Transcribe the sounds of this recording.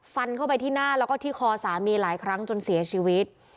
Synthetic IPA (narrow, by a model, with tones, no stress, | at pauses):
fa˧nkʰa˥˩wpa˧jt̪ʰiː˥˩naː˥˩lɛ˦˥wkɔː˥˩t̪ʰiː˥˩kʰɔː˧saː˩˦miː˧laː˩˦jkʰɾa˦˥ŋt͡ɕo˧nsi˨˩˦ɐt͡ɕʰiː˧wi˦˥t̪̚